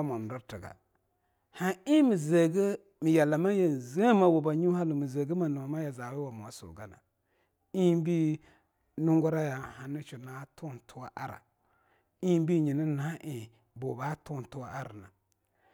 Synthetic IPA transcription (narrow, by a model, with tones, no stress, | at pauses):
a˦mʊ˨n˨dʊ˦tɨ˨ɡa̰˨ | ha˨ɪ˦mi˨ze˨ɡe˦ | mɪ˨jɛ˨lːa˨ma˦je˦˨ze˦ma˨wʊ˨ba˨ɲu˦ha˦lʊ˨mi˨ze˨ɡə˦ma˨nʊ˨ma˨ma˦ja˨zaː˨bɛ˦wa˨mo˨a˨sʊ̰˨ɡa˦na̰˨ | i˦bi˦ | nʊ˦ŋɡʊ˦ɾa˦ja˨ha˨nɪ˦t͡ʃʊ˨na˦tʊ˦˨tʰʊ˦wa˦ʔa̰˦ɾa̰˨ | i˦bi˦˨ɲi˨nɪ˦na˦ʔɪ˦˨ | bo˨ba˦tʊ˦˨n˨tʊ˦a˦ʔa˦ɾa˨na̰˨